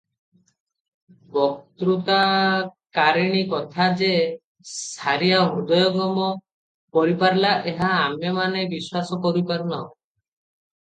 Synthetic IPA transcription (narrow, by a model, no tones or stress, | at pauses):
bɔkt̪ɾut̪akaɾiɽ̃ikɔt̪ʰad͡ʒe | saɾijaɦud̪ɔjɔɡɔmɔ | pɔɾipaɾlaʔeɦaːmjɔmanebiswasɔkɔɾipaɾunaõ